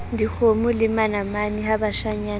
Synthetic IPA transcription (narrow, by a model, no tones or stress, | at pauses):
ndik͡xʰomʊlɪmanamaniɦabaʃaɲaːn